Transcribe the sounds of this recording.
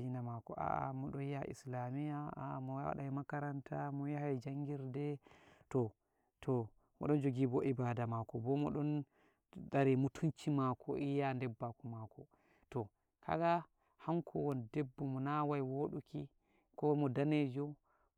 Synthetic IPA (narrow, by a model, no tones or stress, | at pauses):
inamakɔ̰ʔa̰a̰mɔɗɔjaʔḭslamijaa̰mɔa̰ɗajmakaɾantʰamɔjahajd͡ʒaŋɡiɾdɛtɔ | tʰɔ | mɔ̰ɗɔnd͡ʒoɡibɔʔibadamakɔbɔmɔɗɔn | daɾimutʰunt͡ʃimakʰɔ̰ʔijandɛbːakɔmakɔ | tɔ | kʰa̰ɡa | haŋkʰɔwɔndɛbːɔmɔnawajwoɗuki | kɔmɔdaned͡ʒɔ